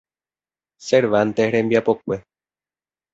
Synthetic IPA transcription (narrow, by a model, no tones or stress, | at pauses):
seɾʋant̪ehɾembiapok̚ʷe